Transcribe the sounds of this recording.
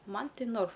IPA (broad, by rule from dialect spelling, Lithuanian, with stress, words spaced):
ˈmɐn ˈtʲɪ noːrf